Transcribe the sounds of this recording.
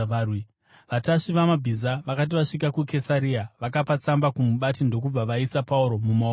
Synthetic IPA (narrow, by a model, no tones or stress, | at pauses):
wi | ʋataʂiʋamabʱizaʋakat̬iʋaʂikakuke̞saɾiaʋakapat͡sambakumuɓatindo̞kub͡vaʋaisapauɾo̞muma